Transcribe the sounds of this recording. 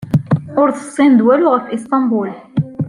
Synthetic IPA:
ʊɾθəsˤːind̪wælʊʁəɾfʔist̪ˤɑmbul

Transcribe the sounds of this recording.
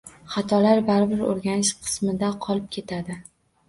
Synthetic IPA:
χat̪ʰɒlaɾbaɾbɪɾo̰ɾɡʲanɪʃqʰɨ̥smɪd̪aqʰɒlˠɪp̚kʲʰe̞t̪ʰad̪ɪ

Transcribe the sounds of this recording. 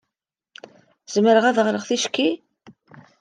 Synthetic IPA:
z̥məɾəʁæðʁɾəʁθiʃkːi

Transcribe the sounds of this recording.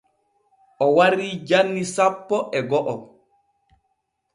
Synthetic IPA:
ʔɔwaɾiːd͡ʒanːisapːɔʔɛɡɔʔɔ

